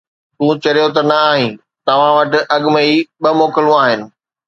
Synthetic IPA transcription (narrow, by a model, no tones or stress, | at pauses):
t̪ũːt͡ɕɐijot̪ɐnɐaːɦĩ | t̪ɐʋ̤ãʋɐʈɪ̆ʔɐɠməiɓɐmoːkɪlũaːɦɪnɪ̆